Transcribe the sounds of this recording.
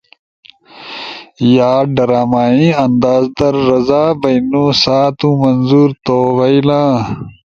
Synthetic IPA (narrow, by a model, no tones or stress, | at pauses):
jaːɖɐɾaːmaːĩɐnd̪aːzd̪ɐɾːɐzaːbɐjnũːsaːt̪ũmɐnzuːɾt̪oːwɐjlãː